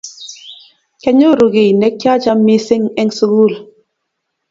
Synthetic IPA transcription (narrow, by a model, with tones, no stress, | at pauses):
kɛ˦ɲo˦˨ɾu˨ɣe˨nɛ˨˦kja˦t͡ʃa˦mːi˦si˦ŋɛ˦ŋsu˦ɣu˦˨l